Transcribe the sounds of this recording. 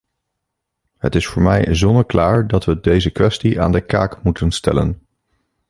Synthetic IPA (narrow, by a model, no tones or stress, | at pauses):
ɦə̰tɪsfʊːɹmɛjzɔndəɹklaːɹdɑtʋədejzəkʋɛstiʔa̰ːndəka̰ːkmutənstɛ̰lə̰n